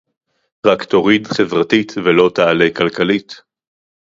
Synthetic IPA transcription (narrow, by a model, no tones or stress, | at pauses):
ʁakt̪o̞ʁidχevʁatit̪velo̞t̪aalejkalkalit̪